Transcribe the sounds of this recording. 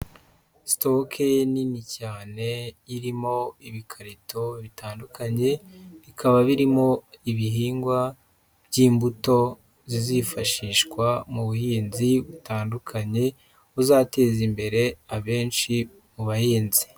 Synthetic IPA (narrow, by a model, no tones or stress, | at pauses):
stokʰeninicaːne̞iɾimo̞iβikʰaɾitʰoβitʰaːndukʰaɲe̞βikʰaβaβiɾimo̞iβiɦiːŋɡwa | bɟiːmbuto̞ | zizifaʃiːʃkwamuβuhiːnziβutaːndukʰaɲe̞ | uzaːte̞ːzimbe̞ɾe̞aβe̞ːnʃi | muβahiːnzi̥